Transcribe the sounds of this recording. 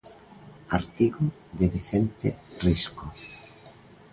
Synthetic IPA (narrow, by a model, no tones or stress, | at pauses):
aɾt̪iɣo | ðeβiθent̪ḛrisko